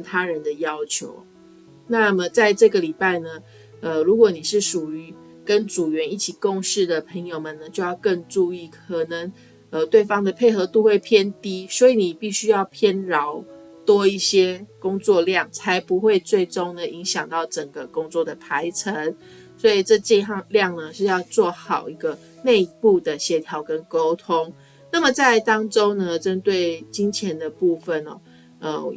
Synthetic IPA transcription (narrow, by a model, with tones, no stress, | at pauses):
nt̪ʰa˦ɻə˧˦nd̪ə˨jɑ˦˥ʊt͡ɕʰjo̰˧˥ʊ | na˥˨mə˩t͡sa˥˧ɪʈ͡ʂɤ˥˩ɡə˩li˨˩pa˥˩ɪnə˩ | ə˨ɻu˧˥kwɔ˨˦ni˨˩ʂɻ̩˥˩ʂu˨˩y˧˦ | kə˦˥nʈ͡ʂu˨˩ɥɛ˧˦ni˥˩t͡ɕʰi˨˩ko˥˧ŋʂɻ̩˥˩d̪ə˩pʰə˧˥ŋjo˨˧ʊmə˨nə˦t͡ɕjo˥˧ʊjɑ˥˧ʊkə˥˧ŋʈ͡ʂu˥˧i˥˩kʰə˨˩nə˧˦ŋ | ə˨t̪we˥˩ɪfɑ˥ŋd̪ə˨pʰe˥˩ɪxɤ˧˥t̪u˥˧xwe˥˧ɪpʰjɛ˥˩nt̪i˥swɔ˧˥i˨ni˨˩pi˥˩ɕy˥jɑ˥˩ʊpʰjɛ˥˩nɻɑ˧˦ʊ | t̪wɔ˦˥i˥˩ɕjɛ˥kʊ˥ŋt͡swɔ˥˧ljɑ˥˩ŋt͡sʰa˧ɪpu˧˦xwe˥˧ɪt͡swe˥˩ɪʈ͡ʂo˥ŋd̪ə˨i˧˦ŋɕjɑ˨˩ŋt̪ɑ˥˩ʊʈ͡ʂə˨˩ŋɡə˩kʊ˥ŋt͡swɔ˥˩d̪ə˩pʰa˧˥ɪt͡sʰə˧˦n | swɔ˧˥i˨˩ʈ͡ʂɤ˥˧t͡ɕi˥˧ljɑ˥˨˩ŋnə˨ʂɻ̩˥˧jɑ˥˧ʊt͡swɔ˥˩xɑ˨˩ʊi˧˥ɡə˧ | ne˥˧ɪpu˥˩d̪ə˩ɕjɛ˧˥t̪ʰjɑ˧˥ʊkə˦˥nko˥ʊt̪ʰʊ˥ŋ | na˥˩mə˨t͡sa˥˩ɪt̪ɑ˥ŋʈ͡ʂo˥ŋnə˨ʈ͡ʂə˥nt̪we˥˩ɪt͡ɕi˦nt͡ɕʰjɛ˧˥nd̪ə˨pu˥˧fə˨nɔ̰˨˩ | ə˧